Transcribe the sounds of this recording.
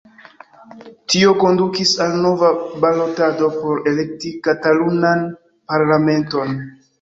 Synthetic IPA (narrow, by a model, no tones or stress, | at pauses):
tio̞ko̞ndukisalno̞vabalo̞tado̞po̞ɾe̞le̞k̚tikatalunan | paɾlame̞nto̞n